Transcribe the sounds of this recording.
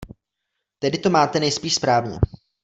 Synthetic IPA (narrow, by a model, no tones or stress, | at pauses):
t̪ɛdɪt̪o̞maːt̪ɛnɛjspiːʃspɾaːvɲɛ̰